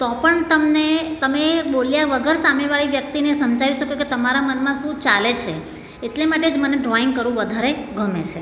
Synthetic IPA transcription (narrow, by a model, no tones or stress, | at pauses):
t̪ɔpəɳt̪əmnet̪əmeɓoljaʋəɡʱəɾsameʋaɭiʋjək̚t̪inesəmd͡ʒaʋiʃəkoket̪əmaɾamənmãʃũt͡ʃalet͡ʃʰe | eʈlemaʈed͡ʒməneɖɾɔiŋɡkəɾʋũʋəd̪ʱaɾeɡəmet͡ʃʰe